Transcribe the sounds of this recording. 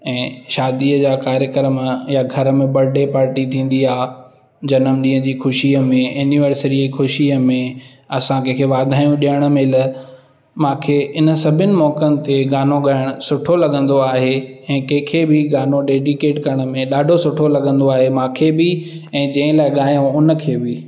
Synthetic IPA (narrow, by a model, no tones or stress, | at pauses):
ɛ̃ːʃaːd̪iəd͡ʑaːkaːɾjəkəɾəmjaɡʱɐɾəmẽbɐɾɖepaːɾʈit̪ʰĩːn̆d̪iaː | d͡ʑɐnəmɗĩːɦə̃d͡ʑiːxʊʃiəmẽjunɪʋəɾsəɾixʊʃiəmẽ | ɐsãkẽːkʰeʋaːd̪ʱaːjũɗijəɽ̃əmelə | mãːkʰeɪnə̆sɐbʱɪnɪ̆mɔːkənɪ̆t̪eɠaːnoɠaːɪɽ̃ʊsʊʈʰolɐɠə̃nd̪oaːɦeɛ̃ːkɛ̃ɦɪ̃kʰebɪɡaːnoɖeːɖɪkeːʈkɐɾəɽ̃ə̆mẽɗaːɖʱosʊʈʰolɐɠə̃nd̪oaːɦemãːkʰebɪ | ɛ̃ːd͡ʑɐ̃ɦɪ̃laːɪɠaːjõʊnə̆kʰeːbɪ